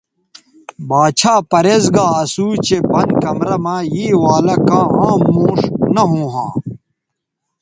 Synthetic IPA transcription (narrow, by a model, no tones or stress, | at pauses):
baːt͡ɕʰaːpɐɾezɡaːɐsuːt͡ɕepɐnkɐmɾɐmãːjiːwaːlɐkãːãːmːõːʂnɐɦõːɦã̰ː